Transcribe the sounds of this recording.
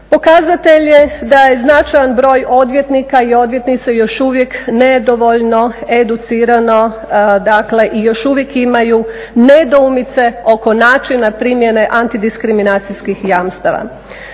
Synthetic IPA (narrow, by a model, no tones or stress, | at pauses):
po̞kazat̪e̞ʎjed̪aje̞znat͡ʃajanbɾo̞ːjʔo̞d̪ʋje̞t̪nikaio̞d̪ʋje̞t̪nit̪sejo̞ʃuʋjekned̪o̞ʋo̞ʎno̞e̞d̪ut̪siːɾano̞ | d̪akle̞ʔijo̞ʃuʋjekimaju | ne̞d̪oumit̪se̞o̞ko̞naːt͡ʃinapɾimje̞ne̞ʔant̪id̪iskɾiminat̪sijskixjamst̪aʋa̰